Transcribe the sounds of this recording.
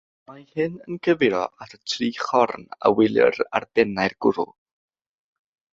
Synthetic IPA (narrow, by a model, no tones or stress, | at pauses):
mahɨnənkʰəvɪɾɔatʰətʰriːχɔrna̰wɪlˠjə̰ra̰rdɛnajrɡ̥ʊɾʊ̰lˠ